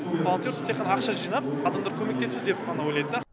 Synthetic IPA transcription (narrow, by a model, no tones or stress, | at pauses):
bolˠont̪jost̪ʰeqːɑnɑːqʃɑʒijnɑp̚ɑd̪ɑmd̪ɑɾkʰʲɵme̞k̚t̪e̞sɪzd̪ep̚ʰɑnɑwojlˠɑjd̪əd̪ɑ